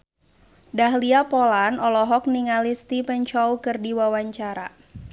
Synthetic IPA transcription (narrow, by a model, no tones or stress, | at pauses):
daɦliapolanɔlɔɦɔk̚niŋalist̪ipəɲt͡ʃɔukɨrdiwawaɲt͡ʃaɾa̰